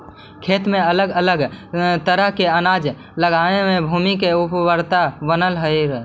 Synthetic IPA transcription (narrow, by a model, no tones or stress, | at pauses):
kʰeːt̪mẽələɡələɡt̪əɾəɦkeənaːd͡ʒ | ləɡaːnemẽbʱuːmikeʊpʋəɾt̪abənəlɦəiɾ